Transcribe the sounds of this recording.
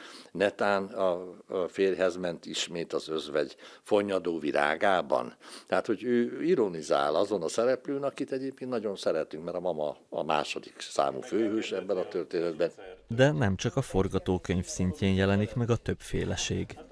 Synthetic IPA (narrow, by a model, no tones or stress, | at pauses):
nɛt̪aːnɒfeːrɦɛzmɛnt̪iʃmeːt̪ɒzøzvɛɟfo̞ɲɒd̪oːvilʔa̰ːɡaːbɒ̰nt̪ɛɦaːt̪ho̞ɟøːiɾoniza̰ːlɒzo̞nɒsɛɾɛpløːnɒkit̪ɛɟeːp̚keːnt̪nɒɟo̞nsɛɾɛt̪ːyŋkmɛɾɒmɒmɒɒ̰ma̰ːʃo̞d̪iksa̰ːmṵføːɦøːʃɛbːɛnɒt̪ørt̪eːnɛd̪bɛnd̪ɛnɛmt͡ʃɒkɒfo̞rɡɒt̪oːkøɲfsiɲcʰeːnjɛlɛnikmɛɡɒt̪ø̞bfeːlɛʃeːɡ